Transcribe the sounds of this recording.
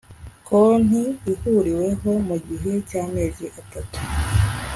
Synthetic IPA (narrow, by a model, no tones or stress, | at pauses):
kʰoniːhuːɾiwe̞ɦo̞muɟiɦe̞caːme̞ːziʔatatu̥